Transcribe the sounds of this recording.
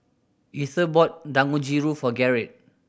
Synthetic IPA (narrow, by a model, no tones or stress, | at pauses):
iθəbɔt̚dãŋud͡ʒiɹufɔɡɛɹit̚